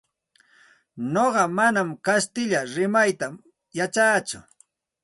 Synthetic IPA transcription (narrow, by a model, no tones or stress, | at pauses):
noɢɑmanamkast̪ɪʎaɾɪmajt̪a | jat͡ʃaːt͡sʊ̰